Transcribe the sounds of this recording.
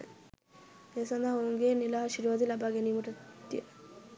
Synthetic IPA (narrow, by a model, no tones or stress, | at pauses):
esand̪aoŋɡenilaɦaʃiɾʋad̪ilabaɡenimuʈat̪ːie